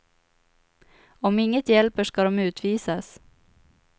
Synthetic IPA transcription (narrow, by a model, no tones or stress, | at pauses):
ɔmɪŋːət̪jɛlpəʂkɑd̪ɔmʉ̟ːt̪ʰʋiːsas